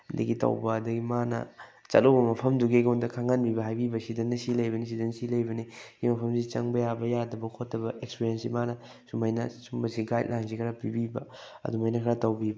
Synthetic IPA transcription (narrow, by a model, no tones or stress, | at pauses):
ndḭɡitɐ̰wbɐːdɐɡimanɐ̰t͡ʃɐ̰tlowbɐmɐpʰɐmduɡeɡɐndɐkʰaŋanbibɐɦajbibɐsidɐnːɐsilɐjbɐnis̬idɐnsilɐjbɐniɡimɐpʰɐmsit͡ʃɐ̰ŋbɐjabɐjadɐbɐkʰotːɐbɐʔekspiɾiensimanɐ | sumɐjnɐsumbɐsiɡajt̚lansikʰɐɾapibibɐ̰ | ɐ̰dumajnɐkʰɐɾatɐwbib